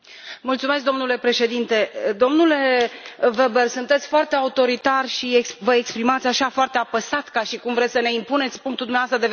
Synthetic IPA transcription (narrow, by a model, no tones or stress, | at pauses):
mult̪sumesk̚d̪o̞mnule̞pɾe̞ʃe̞d̪int̪e̞d̪o̞mnule̞vebersunt̪e̞t̪sʲfoart̪e̞aut̪o̞ɾit̪arʲʃiekvəekspɾimat̪sʲaʃafoart̪eapəsat̪kaʃikumvɾesʲsəne̞impunet̪sʲpuŋk̚t̪uld̪umeavast̪ɾəd̪ev